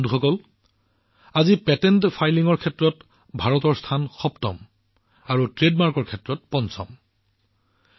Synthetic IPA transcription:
nduxɔkɔl | azipɛtɛntpʰajliŋɔɹkʰɛtɹɔt | bʱaɹɔtɔɹstʰanxɔptɔ̰m | aɹutɹedmaɹkɔɹkʰɛtɹɔt̚pɔnsɔ̰m

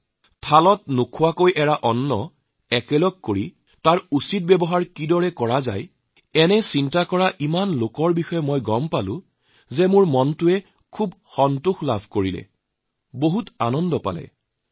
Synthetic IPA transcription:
tʰalɔt̚nukʰʊwakojʔɛɹaʔɔnːɔ | ɛkɛlɔɡ̚koɹi | taɹusit̚bɛbɔɦaɹkidɔɹɛkɔɹaza̰j | ɛnɛsintakɔɹaʔimanlokɔɹbixɔjɛmɔjɡɔmpalʊ̰̃ | zɛmʊɹmɔntʊɛ | kʰubxɔntuxlabʱkoɹilɛ̰ | boɦutanɔndɔpa̰lɛ̰

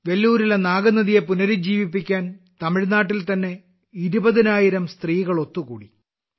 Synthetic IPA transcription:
ʋe̞lːuːɾilenaːɡɐnɐðije̞punɐɾid͡ʑiːʋipːikʲːaːnt̪ɐmiɻnaːʈːilt̪ɐnːe̞ | iɾubɐðinaːjiɾɐmst̪riːɣɐɭo̞t̪ːuɣṵːɽḭ

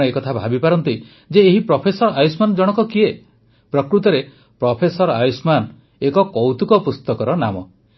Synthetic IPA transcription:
ɔekɔt̪ʰabʱabipaɾɔnt̪i | d͡ʒeːɦipɾɔpʰesɔɾɔajusmanɔd͡ʒɔɽ̃ɔkɔkie | pɾɔkɾut̪ɔɾe | pɾɔpʰesɔɾa̰jusman | ekɔkɔwt̪ukɔpust̪ɔkɔɾɔna̰mɔ

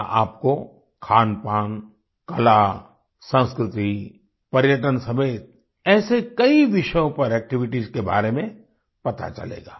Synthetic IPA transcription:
a̰ːp̚ko | kʰaːnpaːn | kɐla | sə̃nskɾɪt̪i | pɐɾjəʈ̬ənsɐmeːt̪̚ | ɛːsekɐiʋɪʃəjõpɐɾɛːk̚ʈɪʋɪʈizkeba̰ːɾemẽ | pɐt̪a̰t͡ʃɐ̰lḛːɡa̰ː

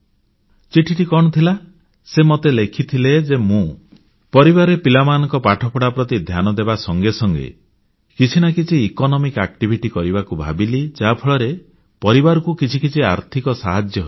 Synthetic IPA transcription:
t͡ʃiʈʰiʈikɔɽ̃ɔt̪ʰila | semot̪elekʰit̪ʰiled͡ʒemũ | pɔɾibaɾepilamanɔŋkɔpaʈʰɔpʰɔɽapɾɔt̪id̪ʱjanɔd̪ebasɔŋɡesɔŋɡḛ | kit͡ʃʰinakit͡ʃʰiːkɔnɔmikak̚ʈibʱiʈikɔɾibakubʱa̰bilid͡ʒapʰɔɭɔɾe | pɔɾibaɾɔkukit͡ʃʰikit͡ʃʰiaɾt̪ʰikɔsaɦad͡ʒjɔɦo

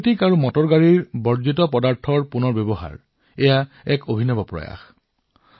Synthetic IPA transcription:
tikaɹumɔtɔɹɡaɹiɹbɔɹzitɔpɔdaɹtʰɔɹpunɔɹbebɔɦa̰ɹ | ɛja | ɛkobʱinɔbɔpɹɔ̰ja̰x

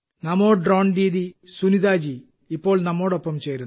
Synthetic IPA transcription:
nɐmoːɖroːɳɖiːd̪isunid̪aːd͡ʑiː | pːo̞ːɭnɐmːo̞ːɽopːɐmt͡ɕe̞ːɾun

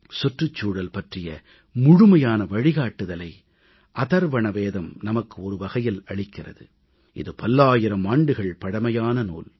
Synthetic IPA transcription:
sɔʈrɯt͡ʃːuːɽɐlpɐʈrɪjɐ̰ | mʊɻʊmɐjaːnɐʋɐɻɪɣaːʈːɯðɐlɐɪ | ʔɐðɐɾʋɐɳɐʋeːðɐmnɐmɐkːɯɔɾɯʋɐɣɐjɪlɐɭɪkːɪrɐ̰ðɯ | ʔɪ̰ðɯpɐlːaːjɪɾɐmaːɳɖɯɣɐɭpɐɽɐmɐjaːnɐno̰ːl

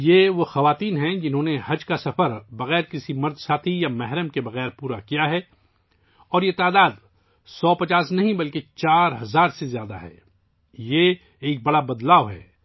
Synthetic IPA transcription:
jeʋoxɐʋaːt̪iːnɦɛ̃d͡ʒɪnɦõːnehɐd͡ʒkasɐfəɾbɐɣɛːɾkɪsimɐɾd̪saːt̪ʰijamɛɦɾəmkebɐɣɛːɾpuːɾakijaɦɛ | ɔːɾjet̪aːd̪aːd̪ | sɔːpɐt͡ʃaːsnɐɦĩbɐlket͡ʃaːɾɦɐzaːɾsezjaːd̪a̰ɦɛ̰ː | jeː | k̚bɐɽabɐd̪laːʋɦɛ̰ː

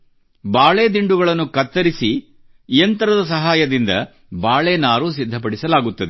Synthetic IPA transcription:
baːɭeːd̪iɳɖuɡɐɭɐnːukɐt̪ːɐɾisi | jɐnt̪ɐɾɐd̪ɐs̬ɐɦaːjɐd̪ind̪ɐ̰ | baːɭeːnaːɾus̬id̪ʱːɐp̬ɐɽisɐlaːɡut̪ːɐd̪e

